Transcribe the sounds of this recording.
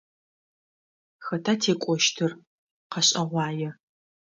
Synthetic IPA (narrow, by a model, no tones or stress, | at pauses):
xɐtʰatʰeːkʷʼɔʃtʰɨr | qɐɕʼɐʁʷɑːjɛ